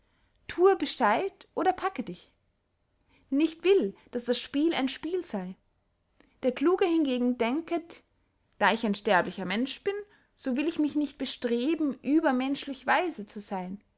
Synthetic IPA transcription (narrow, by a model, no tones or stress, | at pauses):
tʰuːəbəʃtaɪtʔoːɾɐpʰakədɪç | nɪçtv̥ɪld̥asd̥asʃpiːla̰ɪnʃpiːlzaɪ | d̥eːɐkl̥uːɡəhɪnɡeːɡŋ̩dɛŋkə | d̥aːɪçaɪnʃtɛɐplɪçɐmɛnʃb̥ɪn | z̥oːvɪlɪçmɪçnɪçt̚b̥əʃtʁ̥eːbm̩ʔyːbɐmɛnʃlɪçv̥aɪzət͡suzaɪn